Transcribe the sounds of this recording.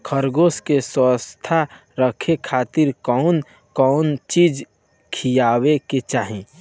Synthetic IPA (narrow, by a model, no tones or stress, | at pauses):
kʰəɾɡoːskesəst̪ʰa | ɾəkʰekʰaːt̪iɾkɔʊn | kɔnt͡ʃiːd͡ʒ | kʰijaːweket͡ʃaːɦĩ